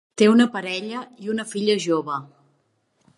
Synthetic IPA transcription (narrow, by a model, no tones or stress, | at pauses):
t̪eunəpəɾɛʎəiunəfiʎəʒoβə